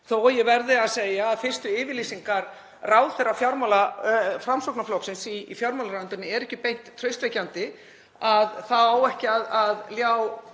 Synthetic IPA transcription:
θowjɛɣvɛɾðɪaðseːjaːðfɪr̥st̪ʏɪːvɪɾliːsiŋkaɾ | raːwðθɛrːafjawɾmalafɾamsowknaflowksɪnsifjawɾmawlaɾaɥnt̪ʏnːɪɛɾɛhcɪpejn̥t̪ʰːɾœɥst̪vejcant̪ɪ | aðθaaːwɛhcɪaðaðljaːw

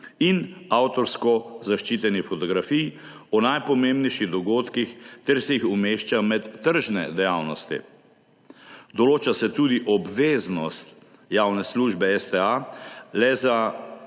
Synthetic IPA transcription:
inawt̪ɔɾskɔzaʃt͡ʃit̪ɛnifɔt̪ɔɡɾafij | ɔnajpɔmembnɛjʃiɣd̪ɔɡoːt̪kixt̪ɛɾsɛjixumeʃt͡ʃamɛt̪ːəɾʒnɛ̰d̪ɛjaːwnɔst̪ḭ | d̪ɔloːt͡ʃasɛt̪uːd̪iʔɔbʋeːznɔst̪ | jaːwnɛsluːʒbɛɛst̪ɛalɛza

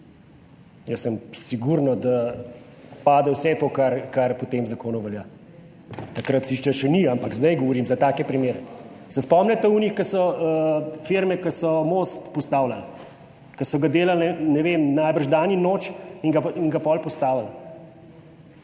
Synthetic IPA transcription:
jəsːəmsiɡuɾnɔd̪a | paːd̪ɛwsɛt̪oːkaɾkaɾpɔt̪eːmzakoːnuʋɛljaː | t̪ɐkɾat̪siʃt͡ʃɛʃɛniampaɡzd̪ajɡɔʋɔɾimzat̪aːkɛpɾimeːɾɛsɛspɔmnʲɛt̪ɛunixkɐsɔəfeɾmɛkɐsɔmost̪pɔst̪aːwlal | kɐsɔɡad̪eːlalɛnɛʋemnajbərʒd̪aninoːt͡ʃiŋɡaiŋɡapɔlpɔst̪aːʋal

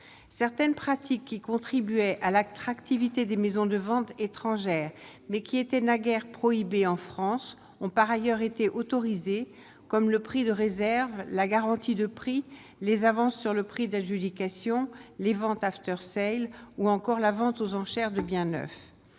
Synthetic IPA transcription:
sɛʁt̪ɛnpχat̪ikːikɔ̃t̪χibyɛʔalat̪χakt̪ivit̪ed̪emezɔ̃d̪əvɑ̃t̪et̪χɑ̃ʒɛːʁmɛkʲiet̪ɛnaɡɛʁpχɔibeɑ̃fχɑ̃s | ɔ̃paʁajœʁet̪eʔot̪ɔʁize | kɔmləpχid̪əʁezɛʁvlaɡaʁɑ̃t̪id̪əpχi | lezavɑ̃sːyʁləpχid̪aʒyd̪ikasjɔ̃levɑ̃t̪aft̪œʁsɛjluɑ̃kɔʁlavɑ̃t̪ozɑ̃ʃɛʁd̪əbjɛ̃nœ̰f

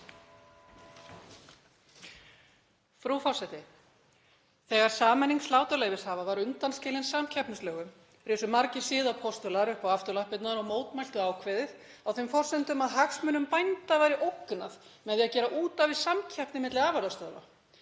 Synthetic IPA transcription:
fɾufɔr̥sɛt̪ɪ | θɛɣaɾ̥saːmɛnːiŋslaːwt̪aleːjvɪshaːvavaɾʏnt̪anscɛːlɪnsamcʰɛhpnʏslœːɣʏm | rɪːsʏmaɾcɪ̥sɪːðapʰɔst̪ʏlaɾʏhpawaft̪ʏɾlahpɪt̪naɾɔmoːwt̪majl̥t̪ʏaːwkʰvɛðɪð | awθejmfɔr̥sɛnt̪ʏmaðɦaxsmʏnʏmpajnt̪avajɾɪʔowknaðmɛðiaðcɛːɾaʔuːt̪avɪðsamcʰɛhpnɪmɪt̪lɪaːvaɾðast̪œðva̰

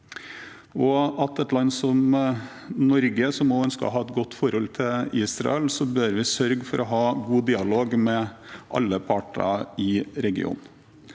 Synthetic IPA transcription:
ɔɑt̪ɛt̪lɑnːsɔm | nɔɾɡəsɔmːoœnskə̰ɦɑːɛt̪ɡɔt̪ːfɔɾhɔlt̪ʰɪiːsɾɑ̰ɛlsɔbøːɾʋɪsœɾɡfɔɾɔɦɑːɡuːd̪iːɑloːɡmɛʔɑ̰lːəpʰɑʈɑ̰ɪɾɛɡɪ̰ṵːn

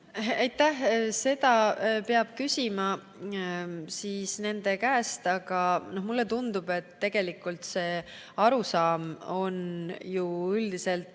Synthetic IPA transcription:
ejt̪ːˑæhse̞d̪ɑpeɑb̥̚kysʲimɑ | siːsne̞nd̪̥e̞kæːst̪ɑɡ̥ɑno̞hmulːe̞t̪und̪̥ub̥e̞t̪ːe̞ɡ̥e̞likːˑult̪se̞ː | ɑɾusɑːmo̞njuyld̪̥ise̞lt̪

